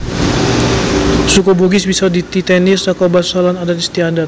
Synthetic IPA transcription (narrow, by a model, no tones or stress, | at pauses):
sukoboɡɪsbisadit̪it̪ɛnɪsakawbasalanadanist̪iadat̪̚